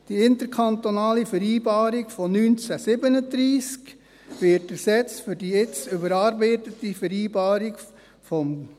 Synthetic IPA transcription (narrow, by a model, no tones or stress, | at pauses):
d̥iɪnt̪əɾkʰɑnt̪onɑːlifəɾiːbɑːɾiɡfɔnynt͡sæsɪbənəd̪ɾiːsk | ʋɪtəsɛt͡sfʏɾdiɪt͡sʏbəɾɑːɾbɛɪtətifəɾiːbɑːɾik | fɔm